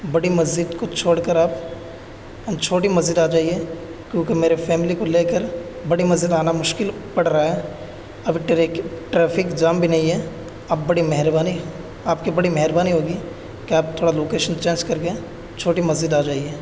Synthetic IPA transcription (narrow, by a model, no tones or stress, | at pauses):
bɐɽimɐzd͡ʒɪd̪kot͡ʃʰoːɽkəɾaːp | t͡ʃʰoːʈimɐzd͡ʒɪd̪aːd͡ʒaːiɦɛ | kjõːkemeːɾefɛːmɪlikoleːkəɾ | bɐɽimɐzd͡ʒɪd̪aːnamʊʃkɪlpɐɽɾɐaɦɛː | ɐbʱiʈːʈɾɛːfʰɪkd͡ʒaːmbʱinɐɦĩɦɛː | aːp̚bɐɽimɛɦɾbaːni | aːpkibɐɽimɛɦəɾbaːniɦoːɡi | keaːp̚t̪ʰːoːɽaloːkeːʃənt͡ʃẽːnd͡ʒkɐɾke | t͡ʃʰoːʈimɐzd͡ʒɪd̪aːd͡ʒaːiɦɛː